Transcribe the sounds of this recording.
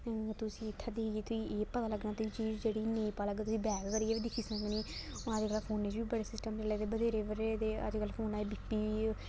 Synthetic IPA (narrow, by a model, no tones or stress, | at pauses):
t̪ʊsĩːɪt̪ʰːaːd̪ieːt̪ʊĩːʔeːpət̪aːləɡnãːt̪oiːt͡ʃiːd͡ʒd͡ʒeːɽiːnẽːĩːpaːləɡaːt̪ʊsĩːbɛːkkəɾiːeːʋiːd̪ɪkʰiːsə̃ŋɡniː | əd͡ʒkəlpʰoːnːeːd͡ʒbiːbəɽeːsɪsʈəmt͡ʃəleːd̪eːbəd̪ʱeːɾeːʋəɾed̪eːə̰d͡ʒkəlpʰoːnaːeːbipːiː